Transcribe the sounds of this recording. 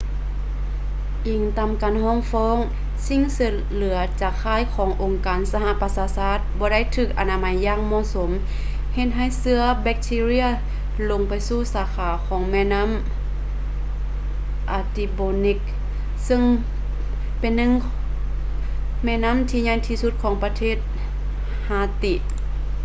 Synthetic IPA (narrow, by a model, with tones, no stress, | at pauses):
ʔiː˨˩ŋt̪aː˧˨mkaː˨nhɔː˧˥˩ŋfɔː˧˥˨ŋ | si˧˥˨ŋsɯ˧˩ | lɯ˨˩˦ɐt͡ɕaː˧˩kʰːaː˧˥˨jkʰɔː˨˩˦ŋʔo˨ŋkaː˨nsa˧ɦa˧˨pa˧saː˧saː˧˥˩t̪̚bɔː˧˦da˥˨jt̪ʰɯː˧˩k̚ʔa˨˩naː˧ma˧˦jːaː˧˨ŋmɔː˧˨so˩˦m | he˧t̪̚ɦa˧˩jsɯ˧˥ɐbɛ˧˥k̚t̪ʰiː˧ɾi˧˥ɐ | lo˧ŋpa˨jsuː˧˩˨saː˨˦kʰaː˨˦kʰɔː˨˦ŋmɛː˧˥˨na˧˥˨m | ʔa˨˧˩t̪i˧boː˧ni˧˩k̚ | sɯ˧˥˨ŋ | pe˨nːɯ˧˥˨ŋ | mɛ˧˨na˧˥˨mt̪ʰiː˧˨ɲa˧˨jt̪ʰiː˧su˧˥t̪̚kʰɔː˨˦ŋpa˧t̪ʰeː˧˥˩t̪̚ | haː˧˩t̪i˧˩˨ʔ